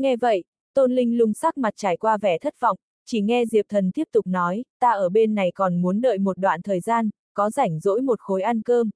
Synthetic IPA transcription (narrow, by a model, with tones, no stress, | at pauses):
ŋɛ˧və̰˧˨j | t̪o˧nlï˧ŋ̟lʊ˧ŋ͡msa˦˥k̚ma˨˩t̚t͡ɕaː˧˩jkwaː˧vɛ˧˩t̪ʰə˦˥t̚v̥ɔ̰˧˨wŋ͡m | t͡ɕi˧˩ŋɛ˧zi˨˩əp̚t̪ʰə˨˩nt̪i˦˥əp̚t̪ʊ˨˩k͡p̚nɔ˨˦jt̪aː˧ʔəː˧˩ɓe˧nːa˨˩jkɔ˨˩nmu˨˦ənɗə̰ː˧˨jmo˨˩t̚ɗwa̰ː˧˨nt̪ʰəː˨˩jzaː˧n | kɔ˨˦za˧˩jŋ̟zo̰˧˥jmo˨˩t̚xo˨˦jʔa˧nkəː˧m